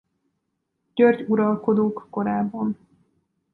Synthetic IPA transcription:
ɟ̥ørɟuɾɒlko̞d̪oːkːo̞ɾaːbːon

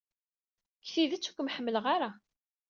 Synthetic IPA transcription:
kːθiðæt͡sːu̥kʷːəmħəmːələʁaɾa

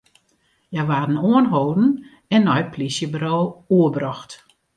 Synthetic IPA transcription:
jaʋaːdn̩uənɦoːdn̩ | ɛnːɔjplisjəbroːuəbrɔxt

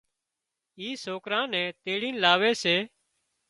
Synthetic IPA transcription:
iːsoːkɾãːnɛ̃ːt̪eːɽiːnlaːʋeːseː

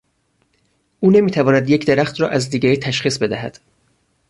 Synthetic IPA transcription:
ʔuːne̞miːt̪ʰævɒːnæd̪jecʰd̪eɾæxt̪ɾɒːʔæzd̪iːɡæɾiːt̪ʰæʃχiːsbe̞d̪æhæ̰d̪̥

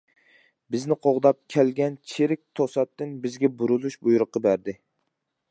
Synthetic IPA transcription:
bɪznɪqʰoʁd̪ɑp̚kʲʰɛlɡʲɛnt͡ʃʰeɾɪk̚ʲt̪ʰosɑt̪ːɪnbɪzɡʲɛbuɾulˠuʃbujuɾʊqːɑbæɾd̪ɪ

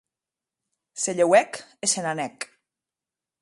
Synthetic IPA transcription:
seʎewɛkesenanɛk

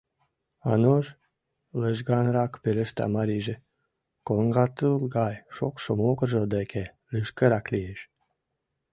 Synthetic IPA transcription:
ɑ̰noʒ | ləʒɡɑnɾɑkpelə̆ʃt̪ɑ̰mɑɾiʒĕ | koŋɡɑt̪ulɡɑjʃokʃomokərʒod̪ekʰe | lɨʃkəɾɑklijeʃ

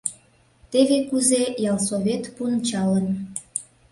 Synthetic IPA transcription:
t̪eβekuzejɑlˠsoβet̪punt͡ɕɑlən

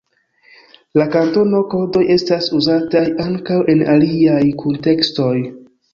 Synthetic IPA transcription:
lakanto̞no̞ko̞ɾdo̞je̞stasuzatajaŋkawʔe̞naliajkʰunte̞ksto̞j

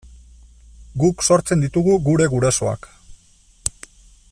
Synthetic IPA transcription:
ɡukso̞ɾt͡se̞nd̪it̪uɣuɣuɾe̞ɣuɾaso̞a̰k

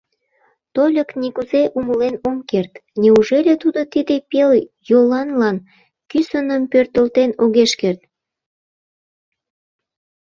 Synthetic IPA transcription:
t̪olʲəknikuzeʔuməlenomkert̪nʲeuʒelʲet̪ud̪ot̪id̪epeljolɑnlɑn | kysənəmpørt̪əlt̪enoɣeʃkert̪

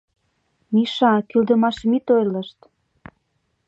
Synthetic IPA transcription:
miʃɑkyld̪ə̆mɑʃmit̪ojlə̆ʃt̪

